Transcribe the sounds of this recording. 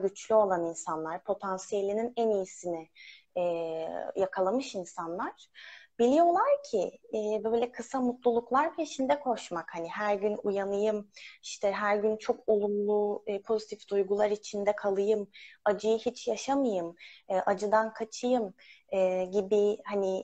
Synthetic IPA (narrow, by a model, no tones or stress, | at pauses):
ɟyt͡ʃʰlʲyo̞lˠaninsanlˠaɾpʰo̞t̪ʰansijelʲininɛnijisinɪ | ɛjakʰalˠamɯʃinsanlˠaɾ̥b̥ilʲijo̞lˠaɾcʰɪbøːjlʲɛkʰɯsamut̪lˠulˠuklˠaɾviit͡ʃʰind̪ɛkʰo̞ʃmakhaniɦæɾɟynujanɯjɯmiʃt̪ʰɛɦæɾɟynt͡ʃʰo̞kʰo̞lˠunlˠupʰo̞zit̪ʰifd̪̥ujɡulˠaɾit͡ʃʰind̪ɛkʰalˠɯjɯmad͡ʒɯjɯhit͡ʃjaʃamɯjɯmɯːʔad͡ʒɯd̪ankʰat͡ʃʰɯjɯmɛɟibihani